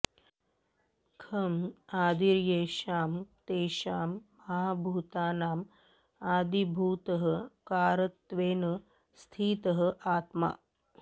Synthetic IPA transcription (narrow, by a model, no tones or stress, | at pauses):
kʰɐmaːd̪iɾjeːʃaːmt̪eːʃaːmːɐɦabʱuːt̪aːnaːm | aːd̪ibʱuːt̪ɐɦəkaːɾɐt̪ːʋeːnə | st̪ʰiːt̪ɐɦəʔaːt̪ma̰ː